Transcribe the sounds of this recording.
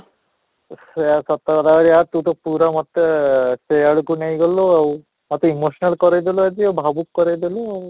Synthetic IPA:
seasɔt̪ːakɔd̪aɡaɾiat̪ut̪ɔpuɾamɔt̪ːesejaɽukunejɡɔloaw | mɔt̪ːimosnalkɔɾajd̪iload͡ʒiawbʱabukːɔɾajd̪iloaw

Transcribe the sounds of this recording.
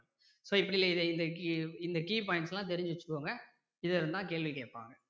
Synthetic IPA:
soːɪpːɐɽɪlːɐɪðɛɪnd̪ɐkiɪnd̪ɐkiːpaːjɪɳnsɛlːãːt̪ɛɾɪɲd͡ʒɪʋɐt͡ʃːɯ̥kːoːŋɡɐ | ɪðɐɪɾɯnd̪ãːkeːɭʋikeːʈ̚pːa̰ːŋɡɐ

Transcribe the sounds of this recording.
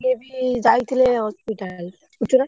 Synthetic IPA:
ebid͡ʑajt̪ʰileɦɔspiʈal | ut͡ʃʰona

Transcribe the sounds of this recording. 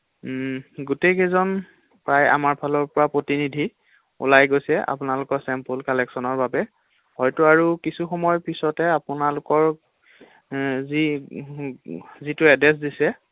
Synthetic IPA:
ɡutejkɛzɔn | pɹaja̰maɹpʰalɔɹpɔɹapɹotinidʱi | ṵlajɡojsɛʔa̰pʊnalʊkɔɹsɛmpulkalɛksɔnɔɹbabɛ | hɔjtʊaɹukisuxɔmɔjpisɔtɛapʊnalʊkɔɹ | zi | zitʊɛdɛs̬disɛ

